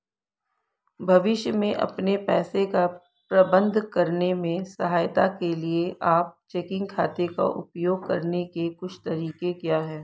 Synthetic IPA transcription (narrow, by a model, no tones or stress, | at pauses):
bʱɐʋɪʃjəmẽʔɐ̰pnepɛːseka | pɾɐbə̃nd̪ʱkɐɾnemẽsɐɦaːjt̪akelieʔaːp̚t͡ʃeːkɪ̃ŋɡ̚kʰa̰ːt̪eka̰ʔʊ̰pjoːɡ̚kɐ̰ɾnekekʊt͡ʃʰt̪ɐɾiːkekjaːɦɛː